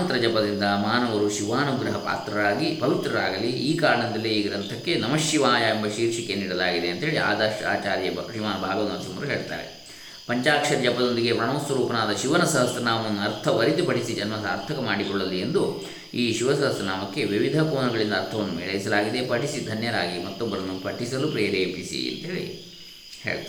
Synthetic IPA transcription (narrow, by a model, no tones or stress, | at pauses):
nt̪ɾɐd͡ʒɐpɐd̪ind̪ɐmaːnɐʋɐɾuʃiʋaːnuɡɾɐɦɐpa̰ːt̪ɾɐɾaːɡibɐʋit̪ɾɐɾaːɡɐliiːkaːɾɐɳɐd̪ɐlːiiːɡɐɾɐlt̪ʰɐkːe̞nɐmɐʃjiʋaːjɐembɐʃiːɾʂikeniːɽɐlaːɡid̪eɐnt̪ɐɦeːɭia̰ːd̪ɐʂa̰ːt͡ʃaːɾjɐʃɾiʋaːnɐbʱaːɡɐʋɐnɐsɐmɐɾuɦeːɭt̪a̰ːɾḛ | pɐɲt͡ʃaːkʂɐɾjɐpɐd̪o̞nd̪iɡe̞pɾɐɳoːsʋɐɾuːpɐnaːd̪ɐʃiʋɐnɐsɐɦɐsɐnaːmɐʋɐnːuɐɾt̪ʰɐʋɐɾit̪ipɐʈisid͡ʒɐnmɐsaːɾt̪ʰɐkɐmaːɽikɔɭːɐlːiend̪u | iːʃiʋɐsɐɦɐsɐnaːmɐkːe̞ʋiʋid̪ʱɐkoːɳɐɡɐɭind̪ɐːɾt̪ʰɐʋɐnːumḛːɭɐjisɐlaːɡid̪e̞pɐʈisid̪ʱɐnjɐɾaːɡimɐt̪ːɔbːɐɾɐnːupɐʈisɐlupɾeːɾeːpisḭḛnt̪ɐɦeɭḭ | hḛːɭt̪